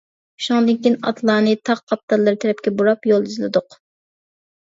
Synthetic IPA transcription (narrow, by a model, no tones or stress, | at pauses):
u̥ʃɑŋd̪ɨŋkʲinɑ̰t̪ʰlˠɑːnɨt̪ʰɑqqʰɑp̚t̪ːɑlˠːɨɾɪt̪ʰɛɾɛp̚kʲɛbuɾɑpjolˠizlˠɨ̰d̪ʊq